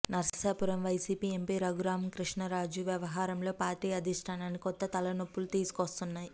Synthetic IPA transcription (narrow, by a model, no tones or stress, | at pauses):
nɐɾsɐsaːpuɾɐmʋɐjsiːpiːe̞mpiːɾɐɡuɾaːmkɾiʂɳɐɾaːd͡ʒuʋjɐʋɐɦaːɾɐmlo̞ːpaːɾʈːiːɐd̪ʱiʂʈʰaːnaːnːikɔt̪ːɐt̪ɐlɐnopːulut̪iːsu̥kost̪unːaːji